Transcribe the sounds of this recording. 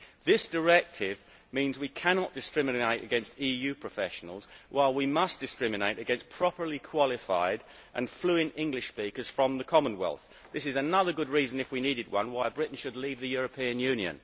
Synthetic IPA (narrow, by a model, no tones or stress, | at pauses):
ðɪsd̥ə˞ɛk̚tʰɪv | mĩnzwikʰænɑt̚d̥ɨskɹɪmɨneɪɾɨ̰ɡɛ̃nstijʉpʰɹ̥əfɛʃn̩l̩ˠzwʔaɪlˠwimʌsd̥ɨskɹ̥ɪmɨneɪɾɨɡɛ̃nspʰɹ̥ɑpə˞likʰw̥ɑlˠɪfa̰ɪɾ | ʔɨ̰̃nflʉɪ̃nɪ̃ŋɡlɨʃspikəz̥fɹə̃mðəkʰɑmə̃nwɛ̰lˠθ | ðɪsɨzɨnʌðə˞ɡʊd̚ɹizɨ̃nɨfwiniɾɨd̚wʌ̰̃nwaɪbɹɪʔn̩ʃɨdˡlivðɨjʊɹɨpʰĩɨ̃njʉ̃njɨ̰̃n